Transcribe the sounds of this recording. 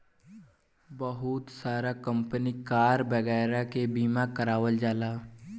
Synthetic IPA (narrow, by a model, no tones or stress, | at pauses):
bəɦʊt̪saːɾaːkəmpniːkaːɾbəɣɛːɾãːkebiːmaːkəɾaːʋəld͡ʒaːlaː